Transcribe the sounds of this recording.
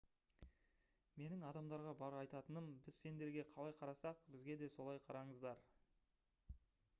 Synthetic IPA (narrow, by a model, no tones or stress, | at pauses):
me̞nɪŋɑd̪ɑmd̪ɑɾʁɑbɑɾɑjt̪ɑt̪ənəmbɪzse̞nd̪e̞ɾɡʲe̞qʰɑlˠɑjqʰɑɾɑsɑq̚bɪzɡʲe̞d̪e̞so̞lˠɑjqʰɑɾɑɴəzd̪ɑɾ